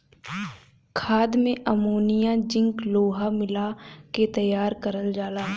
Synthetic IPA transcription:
kʰaːd̪mẽʔəmoːnijãd͡ʒɪ̃ŋkloːɦamɪlaket̪əjaːɾkəɾəld͡ʒaːlaː

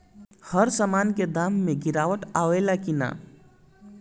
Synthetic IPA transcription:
həɾsəmanked̪amːeɡiɾawəʈaelakina̰

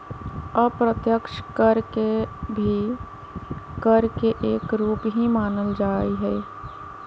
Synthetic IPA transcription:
əpɾət̪jəkʃkəɾkebʱi | kəɾkeʔeːkɾuːpɦimaːnəld͡ʒaːiɦɛː

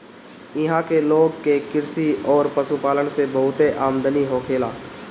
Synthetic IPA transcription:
ɪɦãkeloːɡ̚kekɪɾsiɔːɾpɐsupaːlənsebɐɦʊt̪eʔaːmd̪əniɦokʰeːla̰ː

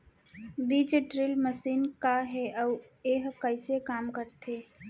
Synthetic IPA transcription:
biːd͡ʒeʈɾɪlməsiːnkaɦɛʔɔːʋeːɦkəɪsekaːmkəɾt̪ʰeː

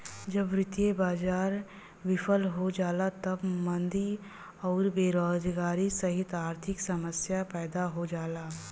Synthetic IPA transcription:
d͡ʒɐbɾɪt̪jebaːd͡ʒaːɾ | ʋɪfʰəlɦod͡ʒaːlat̪ɐbmə̃nd̪i | ɔːɾbeːɾoːd͡ʒɡaːɾisɐɦɪt̪aːɾt̪ʰɪksɐməsjapɛːd̪aɦod͡ʒaːlaː

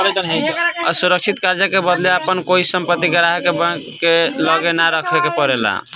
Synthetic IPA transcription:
ɾed͡ʒənɦeə̰suɾək̚t͡ʃʰit̪kaɾd͡ʒakebəd̪leəpənkoisəmpət̪ːiɡəɾaɦkebə̃kkeləɡenaɾəkʰbekepəɾela̰

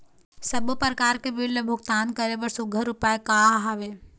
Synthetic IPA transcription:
sɐbpəɾəkaːɾkebɪlːəbʱʊɡt̪aːnkəɾebəɾsʊɡʱəɾʊpaːekaːɦaʋeː

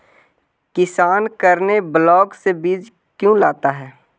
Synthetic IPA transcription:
kɪsaːnkəɾneblɔːɡsebiːd͡ʒ | kjũːlaːt̪aɦɛː

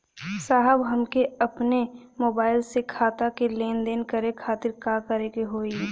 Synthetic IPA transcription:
saːɦəbɦɐmkeɐpne | moːbaːɪlsekʰaːt̪akeleːnd̪eːnkəɾekʰaːt̪ɪɾkaːkəɾekeɦoːi

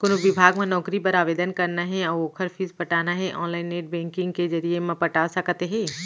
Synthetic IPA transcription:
kʊnʋɪbʱaːɡmẽnɔːkɾipɐɾaːʋeːd̪ənkɐɾnaɦɛɔːɾoːkʰəɾpʰiːzpɐʈaːnaɦɛʔɔ̰̃ːnlaːɪnːeːʈ̚bɛ̃ːŋkɪ̃ŋɡked͡ʒɐɾiemẽpɐʈasɐkət̪eɦɛ̃ː

